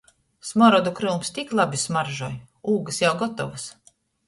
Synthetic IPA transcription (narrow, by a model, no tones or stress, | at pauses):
smɔɾɔd̪ukɾɨlˠmst̪iklˠabismaɾʒuɔj | uːɡɨsjawɡɔt̪ɔvɨs